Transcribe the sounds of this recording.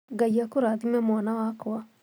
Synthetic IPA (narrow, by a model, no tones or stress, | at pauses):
ɡajakoɾaðimɛmwanawakoa